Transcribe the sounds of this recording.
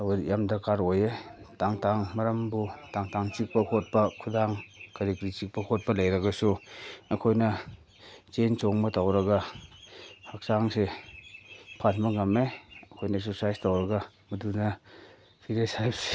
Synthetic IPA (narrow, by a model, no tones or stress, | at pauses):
ɐwjamdɐɾkʰaɾojetaŋtaŋmɐɾɐmbutaŋtaŋt͡ʃik̚pɐkʰot̚pɐkʰudaŋkaɾikɾit͡ʃik̚pɐkʰot̚pɐlɐjɾɐɡɐsuɐkʰojnɐ | t͡ʃent͡ʃɔŋmɐtawɾɐɡa | hak̚saŋse | pʰalmɐŋameɐkʰojnɐsusajstawɾɐɡa | mudunɐ | pʰiɾesajpse̥